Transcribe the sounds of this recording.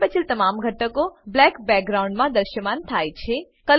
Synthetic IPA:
pət͡ʃʰilt̪ɐmaːmɡʱəʈːəkoblɛkbɛk̚ɡɾauɳɖmãd̪əɾʃjəmaːnt̪ʰaːjt͡ʃʰe | kə

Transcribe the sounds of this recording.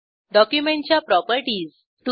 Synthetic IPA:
ɖɔkjumẽɳt͡ɕjapɾɔpəɾʈiːz | ʈu

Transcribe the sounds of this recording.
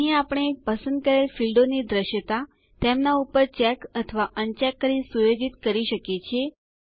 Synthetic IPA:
ɦiãapəɳ̃eːk̚pəsə̃nd̪̚kəɾelfilɖonid̪ɾəʃjət̪a | t̪emnaupəɾt͡ʃɛkət̪ʰəʋaʔənt͡ʃɛkːəɾisujod͡ʒit̪kəɾiʃəket͡ʃʰe

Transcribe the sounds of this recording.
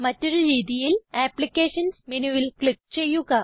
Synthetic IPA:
mətəɾɾid̪ijilæplikeɕənsminuilklip̚t͡ɕejuka

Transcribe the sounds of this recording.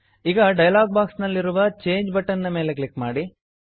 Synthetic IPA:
iɡɐɖɐjɐlaːɡ̚baːksnɐlːiɾuʋɐt͡ʃe̞ːɲd͡ʒbɐʈːɐnnɐme̞ːlekɭikmaːɽi

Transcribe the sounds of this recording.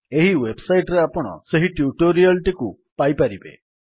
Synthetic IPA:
eɦiwebsajʈɾeapɔɽ̃ɔ̰seɦiʈjuʈoɾialʈiku | pajpaɾibḛ

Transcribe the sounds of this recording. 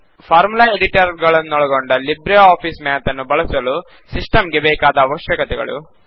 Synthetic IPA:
fʰaːɾmulɐeɖiʈɐɾɡɐɭɐnːoɭɐɡoɳɖɐlibɾeaːfiːsmeːɐt̪ɐnːubɐɭɐsɐlu | sisʈɐmɡebeːkaːd̪ɐːʋɐʃjɐkɐt̪ɛɡɐ̰ɭṵ

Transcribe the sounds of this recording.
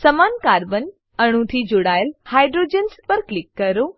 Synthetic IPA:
sɐmaːnkaːɾbən | ɐɽ̃ũt̪ʰid͡ʒoɽaːjəlhaːjɖɾoːd͡ʒenspɐɾklɪkːɐɾo

